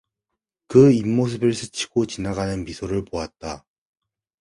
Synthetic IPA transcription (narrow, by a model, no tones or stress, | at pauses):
kɯimːos̬ʰɯbɯɭsʰɯt͡ɕʰi̥ɡ̥ot͡ɕinaɡanɯnpisʰoɾɯɭpoat̚t͈a